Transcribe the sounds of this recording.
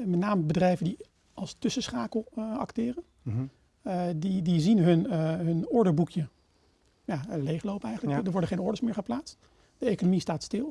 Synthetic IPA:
mɛtnaːməbədrɛjvəndi | ɑlˠstɵsəsχaːkəlˠɑ̰ktɪːrən | didizinɦɵnɦɵnɔɹdəɹbukʰjə | jalejχlowpɛjχənləkdəɹʋɔɹdəχejnɔɹdəsmɪːɹχəplaːtst | d̥əejkonomistaːtstɪlˠ

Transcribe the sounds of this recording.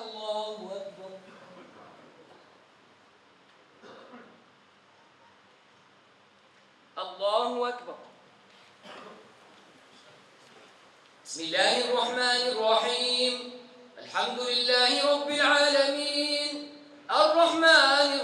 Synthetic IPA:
lˤːɑːhʊʔak̚bɑɾˤ | ʔɑlˤːɑːhʊʔakbɑɾˤ | ɪ̥smɪlːaːhʔɑrˤːɑħmaːnɑrˤːɑħiːmʔalħamd̪ʊlɪlːaːhɪɾˤɑbːɪlʕaːlamiːn | ʔɑrˤːɑħmaːn

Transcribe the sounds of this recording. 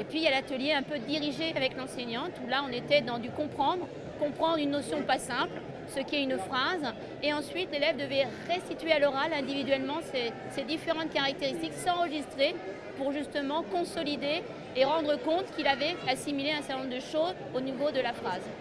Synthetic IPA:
epɥijalat̪əljeɛ̃pød̪iʁiʒeavɛklɑ̃seɲɑ̃t̪ulaɔ̃net̪ɛd̪ɑ̃d̪ykɔ̃pχɑ̃d̪ʁ | kɔ̃pχɑ̃d̪ʁynːosjɔ̃pasɛ̃pl | səkʲiɛynfχaz | eɑ̃sɥit̪lelɛvd̪əvɛʁɛst̪it̪ɥealɔʁalɛ̃d̪ivid̪ɥɛlmɑ̃se | sed̪ifeʁɑ̃t̪̚kaʁak̚t̪eʁist̪iksɑ̃ʁəʒist̪χe | puʁʒyst̪əmɑ̃kɔ̃sɔlid̪eː | ʁɑ̃d̪ʁəkɔ̃t̪kʲilavɛasimileɛ̃sɛʁt̪ɛñɔ̃md̪əʃoz | onivod̪əlafχaz

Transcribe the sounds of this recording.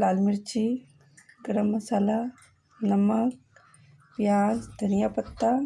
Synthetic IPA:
laːlmiɾt͡ʃi | ɡɾəmːɐsala | nɐmɐk̚ | ʋjaːzd̪ʱɐnijaːpɐt̪ːa

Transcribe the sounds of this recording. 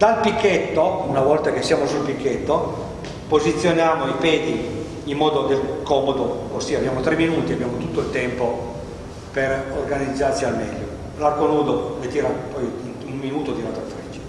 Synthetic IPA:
d̪alpikʰːet̪ːounavɔlt̪ak̟esːjaːmosulpikʰːet̪ːo | pozit̪sːjonjaːmoipɛːd̪iː | mːɔːd̪od̪elkɔːmod̪oosiːabjaːmot̪ɾemːinuːt̪iabjaːmot̪ut̪ːoilt̪ɛmpo | perorɡanid̪zːart͡ʃialmɛ̰lːo | larɡonuːd̪olet̪iːɾapɔj | umminuːt̪od̪inat̪ɾafɾɛt͡ʃːḁ

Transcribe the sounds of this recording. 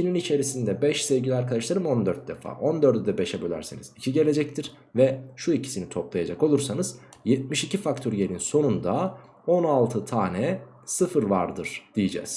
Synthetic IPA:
tʰininit͡ʃʰe̞ɾisind̪ɛbɛʃsevɟilʲiaɾkʰad̪aʃlˠaɾɯmo̞nd̪øɾt̪̚d̪efa̰ːʔo̞nd̪øɾd̪ɛd̪ɛbeʃɛbølʲæ̰ɾsenizicʰiɟe̞lʲe̞d͡ʒɛc̚t̪ʰiɾ̥ | vɛʃuicʰi̥sinit̪ʰoplˠajad͡ʒako̞lˠuɾsanɯzjɛt̪̚miʃicʰifak̚t̪ʰoɾjelʲinso̞nund̪a | o̞nalˠt̪ʰɯt̪ʰaːnɛ | sɯfɯɾvaɾd̪ɯɾ̥d̪̥ijid͡ʒɛ̰z̥

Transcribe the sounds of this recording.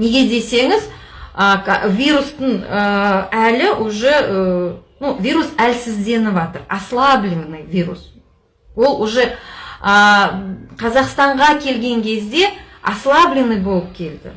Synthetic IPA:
ne̞ɡʲe̞d̪e̞se̞ŋɪz | əvʲiɾust̪əɴəælɪwʊʒəənuvʲiɾusælsɪzd̪e̞nɪvɑt̪əɾɑ̰slˠablʲinnɨjvʲiɾṵs | wo̞lˠwʊʒeə | qʰɑzɑqst̪ɑɴʁɑkʲʰe̞lɡʲe̞ŋkʲʰe̞zd̪e̞ | ɑ̰slˠablʲinɨjbo̞lˠəp̚kʲʰe̞ld̪ɪ̰

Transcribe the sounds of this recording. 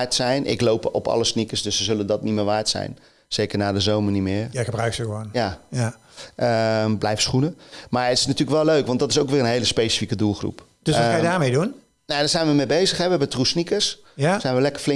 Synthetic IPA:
ɹtsɛjnʔɪ̰klowpɔ̰pʰɑ̰lˠəsnikəsdøsːəzɵləndɔtnimɪːʋaːɹtsɛ̰jn | z̥ejkərnaːdəzowmərnimɪːrjxəbrœɥksəxəʋoːnjaj | əmblɛjfəsχunəmaɹətɪ̥snatyːrləkʋɛlˠløɥkʋɑntdɔtɪs̬owkʋɪːrənɦejləspejsi̥fikədulˠχrṵp | d̥əsajədaːmejdun | najdɔzɛjnʋəmebejzəxɦɛbʋəɛbətrusnikəs | sɛjnʋəlɛkərflɪ

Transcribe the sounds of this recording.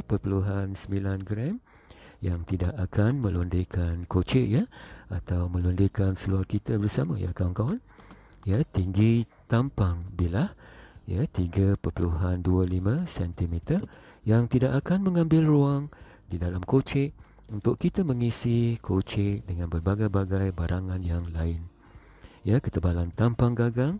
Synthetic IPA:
pərpəluɦansəmbilanɡɾɛm | jaŋt̪idaʔakʰanmə̃lundəkʰankot͡ʃɪʔjəat̪awmə̃lundəkansəluarkit̪əbərsamaja̰kawaŋkawan | jət̪iŋɡit̪ampaŋbilahjət̪iɡəpəpəluɦanduəlimə̃sɛnt̪imit̪ərjaŋt̪idaʔakanmə̃ŋãmbɪlruaŋ | didalamkot͡ʃɪʔ | unt̪ʊʔkit̪əmə̃ŋisikʰot͡ʃɪʔdəŋãnbərbaɡajbaɡajbaɾʔaŋanjaŋlaɪn | jakət̪əbalant̪ampaŋɡaɡaŋ

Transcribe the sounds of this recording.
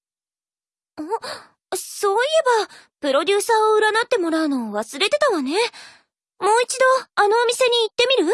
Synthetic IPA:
oː | so̞ːie̞bapɯ̟ɾo̞d̪ʲɨːsaːoɯ̟ɾanat̪ːe̞mo̞ɾaɯ̟no̞βasɨɾe̞t̪e̞t̪aβane̞ | mo̞ːit͡ɕid̪o̞ano̞ːmʲise̞ɲ̟iːt̪ːe̞mʲiɾɯ̟

